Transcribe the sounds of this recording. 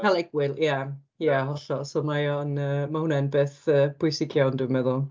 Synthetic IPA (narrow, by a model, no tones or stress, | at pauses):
kʰalɛɡwɪlˠja | jaɦɔɬɔsoːmajɔnəːmahʊnɛnbeːθəːb̥ʊjsɪkʰjawndumɛðʊlˠ